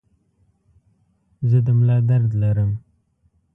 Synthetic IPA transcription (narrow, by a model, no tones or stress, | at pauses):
zəd̪əmlɑd̪aɾd̪laɾəm